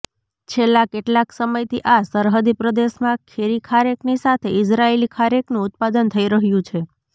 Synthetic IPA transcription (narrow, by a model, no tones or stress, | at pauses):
t͡ʃʰelːãkeʈlaksəməjt̪ʰiʔasəɾɦəd̪ipɾəd̪eʃmãkʰeɾikʰaɾeknisat̪ʰeɪsɾaelikʰaɾeknũʊt̪̚pad̪ənt̪ʰəiɾəɦjũt͡ʃʰe